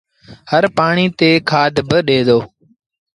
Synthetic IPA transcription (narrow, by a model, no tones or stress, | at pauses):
həɾpaːɳiːt̪eːkʰaːd̪ʱbəɗeːd̪oː